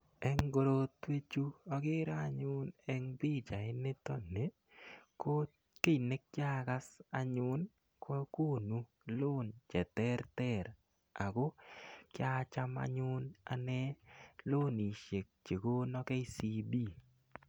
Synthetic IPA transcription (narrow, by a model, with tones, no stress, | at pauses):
ɛ˦ŋɡo˨ɾo˦˨twe˦t͡ʃu˦ɔ˦ɡɪ˦ɾa˦˨ɲʊ˦nɛ˦ŋbɪ˦t͡ʃa˨ɪ˦nɪ˦tɔ˦ne˨˦ | ko˦ | ke˦i˨ne˦k̚t͡ʃɪ˦a˦ka˦sa˨ɲʊ˦n | kʰɔ˦ko˦˨nu˦ | lo˦nt͡ʃɛ˨tɛ˦ɾtɛ˦˨ɾ | a˨ɡo˦kɪ˦a˦t͡ʃa˦ma̰˧ɲʊ˦na̰˨nɛ˦lo˦ni˨ʃe˨k̚t͡ʃe˨ko˦nɔ˦kɛ˦i˦si˦bi˦